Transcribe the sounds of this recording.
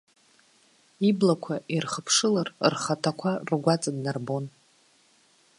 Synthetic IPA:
iblakʷʰaʔirχəpʰʂɨlarrχatʰakʷʰarɡʷat͡sʼadnarbon

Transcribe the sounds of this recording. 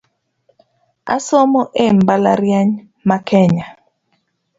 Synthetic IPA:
a̰sɔmɔʔɛmbala̰ɾjaɲ | makʰɛɲa

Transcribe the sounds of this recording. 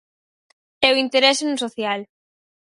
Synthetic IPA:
ɛʊint̪eɾɛsenũsoθjal

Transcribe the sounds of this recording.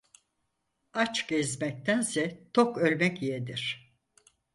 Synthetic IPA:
at͡ʃɡ̥ezmɛc̚t̪ʰænsɛt̪ʰokølʲmɛcijed̪iɾ̝̥

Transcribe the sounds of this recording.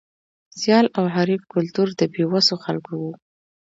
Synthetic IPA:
sjɑlawɦaɾibkʊlt̪uɾd̪əbewasoxalkowu

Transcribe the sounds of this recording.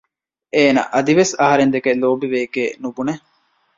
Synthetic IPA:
eːnɐ̰ʔɐd̪iʋesɐɦɐɾend̪ekeloːbiʋeːɡeːnubune

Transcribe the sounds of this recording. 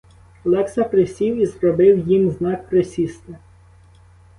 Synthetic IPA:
lˠɛksɐpɾɪsʲiwizɾɔbɪwjimznɑk̚pɾɪsʲist̪ɪ

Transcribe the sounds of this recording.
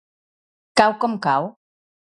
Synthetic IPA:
kawkomkaw

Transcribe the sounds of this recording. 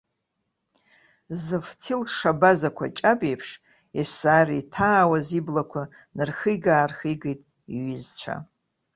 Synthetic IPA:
zɨftʰilʂabazakʷʰat͡ʃʼabejpʰʂ | esaːritʰaːwaziblakʷʰa | nɨrχɨjɡaːrχijɡejtʼ | iɥɪzt͡ɕʷʰa̰

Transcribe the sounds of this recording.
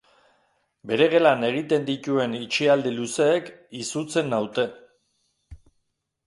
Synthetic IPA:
be̞ɾe̞ɣe̞lane̞ɣ̞it̪e̞nd̪it̪ue̞nit͡ʃiald̪iluse̞ːkisut͡se̞nawt̪e̞

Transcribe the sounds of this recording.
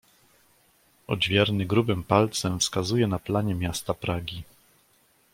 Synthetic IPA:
ɔ̰d͡ʑvʲjɛɾnɘɡɾubɘmpalt̪sɛmfskazujɛnaplaɲɛmʲjast̪apɾaɡʲi

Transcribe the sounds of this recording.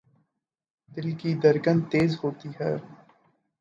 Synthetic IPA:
d̪ɪlkid̪əɾɡənt̪eːzɦoːt̪iɦɛː

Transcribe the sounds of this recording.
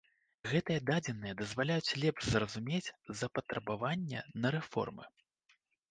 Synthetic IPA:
ɣɛt̪ɨjɐd̪ad͡zʲɛnːɨjɛd̪ɐzvalʲajut͡sʲlʲɛpʂzrɐzumʲet͡sʲzɐpɐt̪ɾɐbavanʲːɛ̰nɐɾɛfɔ̰rmɨ̰

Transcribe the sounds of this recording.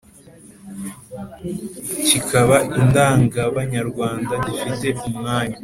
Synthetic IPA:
cikʰaβaʔindaːŋɡaβaɲaɾɡwaːndaɟifite̞umŋaːɲa

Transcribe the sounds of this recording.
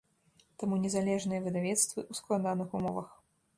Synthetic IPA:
t̪amunʲɛzalʲɛʐnɨjɐvɨd̪avʲɛt̪st̪vɨʔusklˠad̪anɨxumɔvɐ̰x

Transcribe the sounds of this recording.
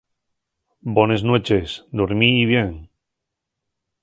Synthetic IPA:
bonesnwet͡ʃesd̪oɾmiːβ̞jeŋ

